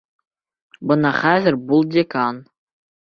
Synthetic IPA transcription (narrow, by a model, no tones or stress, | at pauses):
bɤ̆nɑχæzʲɘ̆rbulˠdʲekɑn